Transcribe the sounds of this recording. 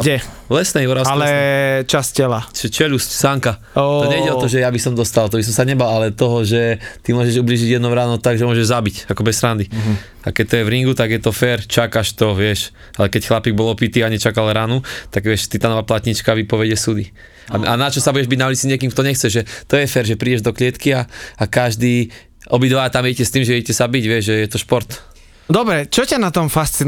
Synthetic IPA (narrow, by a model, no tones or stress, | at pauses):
ɟɛ | lɛsnɛjɔɾaslɛt͡ʃascɛlaʒɛt͡ʃɛʎuscsaŋka | ɔɲɛjɟɛɔt̪ɔʒɛjabisɔmd̪ɔst̪alt̪ɔbis̬ɔmsaɲɛbalalɛt̪ɔɦɔʒɛt̪imʊɔʒɛʒubliːʒiɟjɛd̪nɔʊɾaːnɔt̪aɡʒɛmʊɔʒɛʒzabicakɔbɛsɾand̪i | akɛc̚t̪ɔjɛvɾiŋɡut̪aɡjɛt̪ɔfɛɾt͡ʃakaʃt̪ɔʋɪɛʃ | alɛkɛcxlapiɡ̚bɔlɔpit̪iaɲɛt͡ʃakalɾanut̪aɡʋɪɛʃt̪it̪anɔʋaːplat̪ɲit͡ʃkaʋipɔʋɛɟɛsud̪i | aanat͡ʃɔsabuɟɛʒbiɟnaʊlit͡siɲɪɛkimkt̪ɔɲɛxt͡sɛʒɛt̪ɔjɛfɛːɾʒɛpɾiːɟɛʒd̪ɔklɪɛt̪kiaakaʒd̪iː | ɔbid̪ʋat̪amɛɛcɛst̪iːmʒɛɛɟɛcɛzabiɟʋɪɛʒʒɛjɛt̪ɔʃpɔɾt̪ | d̪ɔbɾɛt͡ʃɔcanat̪ɔmfast͡si